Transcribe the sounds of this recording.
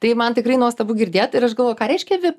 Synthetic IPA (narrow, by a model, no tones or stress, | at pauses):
t̪ɐɪmɐnt̪ʲɪkrɐɪnuɔst̪ɐbuːɡʲɪɾʲd̪ʲeːt̪ɪɾɐʃɡɐlˠʋoːjkɑːɾʲɛɪʃʲkʲɛʋʲɪ